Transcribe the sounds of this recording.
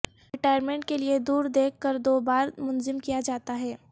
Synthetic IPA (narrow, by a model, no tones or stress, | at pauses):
ɪʈaːɪəɾmẽːɳʈ̚kelied̪uːɾd̪eːkʰːəɾd̪oːbaːɾmʊnzɪmkijad͡ʒaːt̪aɦɛː